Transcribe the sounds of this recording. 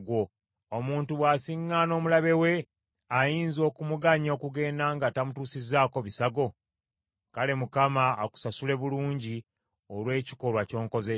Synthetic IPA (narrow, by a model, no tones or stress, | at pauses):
ɡwo̞ | omuːntuβwaːsiŋːano̞ːmulaβe̞we̞ | ajiːnzo̞ːkumuɡaɲo̞ːkuɡe̞ːndaŋɡatamutuːsizːaːko̞βisaɡo̞ | kale̞mukamaːku̥sasule̞βuluːɲɟi | olwe̞ːci̥ko̞lwaco̞ːŋko̞ze